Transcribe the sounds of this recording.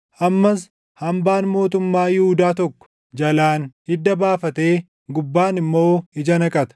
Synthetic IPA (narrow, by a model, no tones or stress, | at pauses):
ʔɐmːɐs | hɐmbaːnmo̞ːt̪ʊmːaːjɪhʊd̪aːt̪ɔkːɔ̥ | d͡ʒɐlaːnhɪd̪ːɐbaːfɐt̪eː | ɡʊbːaːnɪmːo̞ːɪd͡ʒɐnɐkʼɐt̪ɐ̥